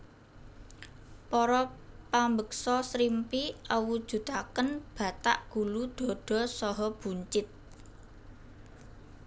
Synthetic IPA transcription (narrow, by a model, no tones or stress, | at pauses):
pɔɾɔpambək̚sɔsɾimpiʔəwud̥ʒ̥ṳt̪akənb̥a̤t̪a̰ʔɡ̥ṳlud̪̥ɔ̤ɖ̪̥ɔ̤sɔɦɔb̥ṳɲt͡ʃɪt̪̚